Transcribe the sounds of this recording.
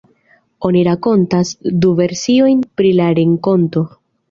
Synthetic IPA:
o̞niɾako̞ntasduve̞ɾsio̞jnpɾilaɾeŋko̞nto̞

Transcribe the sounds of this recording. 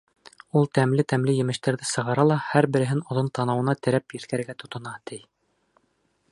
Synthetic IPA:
ulˠt̪æmlɘt̪æmlɘjɘ̆mɘ̆ʃt̪æɾðɘsɤ̆ʁɑɾɑlˠɑhæɾbɘ̆ɾɘ̆ɦɘnŏðont̪ɑnɑwɤ̆nɑt̪ɘ̆ɾæpjɘ̆θkæɾɘ̆ɾɡæt̪ŏt̪ŏnɑt̪ɘj

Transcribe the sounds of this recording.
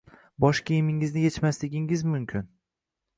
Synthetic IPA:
bɒʃkʲʰijɪmɪŋɪznɪjet͡ʃmaslɪɡʲɪŋɪzmʊmkʲʰɪn

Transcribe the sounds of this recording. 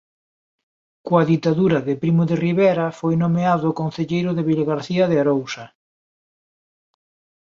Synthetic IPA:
koaðit̪aðuɾɐðɪpɾimʊðeriβɛɾɐfojnomeaðʊkonθeʎejɾʊðeβiloɣaɾθiɐðeaɾowsɐ

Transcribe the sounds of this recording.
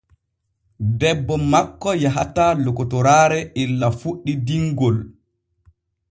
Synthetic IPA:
dɛbːɔmakːɔjaɦatalɔkːɔtɔɾaːɾɛʔilːafuɗːidiŋɡɔl

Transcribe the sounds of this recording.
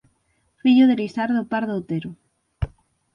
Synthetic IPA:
fiʎʊðelisaɾðopaɾðot̪eɾʊ

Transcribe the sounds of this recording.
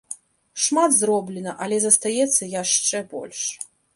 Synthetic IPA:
ʂmad̪zrɔblʲɛnɐʔɐlʲɛzɐst̪ajɛt̪sːɐjaʂt͡ʂɛbɔ̰lʲʂ

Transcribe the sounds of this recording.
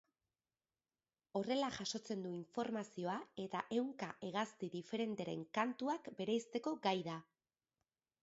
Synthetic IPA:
o̞re̞laʝaʃo̞t͡se̞nd̪uiɱfo̞ɾmasio̞ae̞t̪aʔe̞wŋkaʔe̞ɣ̞ast̪iðife̞ɾe̞nt̪eɾe̞̰ŋkant̪uakbe̞ɾejst̪e̞ko̞ɡajða

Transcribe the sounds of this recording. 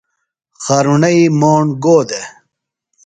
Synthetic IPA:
xɐɾuɳɐimoːɳɡoːd̪e

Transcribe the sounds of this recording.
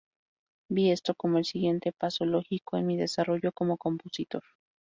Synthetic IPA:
biest̪okomoelsiɣje̞nt̪epasoloxikoenmiðesaroʝokomokomposit̪oɾ

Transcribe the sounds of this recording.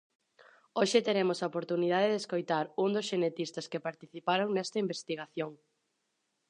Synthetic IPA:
oʃɪt̪eɾemʊsaopoɾt̪uniðaðeðeskojt̪aɾund̪ʊsʃenet̪ist̪ɐskepaɾt̪iθipaɾoŋnɛst̪ɐimbest̪iɣ̞aθjoŋ

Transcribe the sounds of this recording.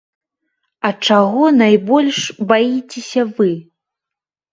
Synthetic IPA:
ɐt͡ʂaɣɔnajbɔlʲʂbajit͡sʲesʲɐvɨ

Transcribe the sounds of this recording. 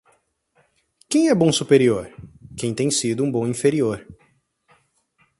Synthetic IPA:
kẽj̃ɛbõw̃supeɾioɾkẽj̃t̪ẽj̃sid̪ʊũbõĩfeɾioɾ

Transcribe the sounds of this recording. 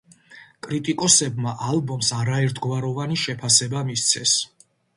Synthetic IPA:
kʼɾit̪ʼikʼɔsɛbmaʔalbɔmsaɾaɛɾt̪ʰɡwaɾɔvaniʃɛpʰasɛbamist̪sʰɛs

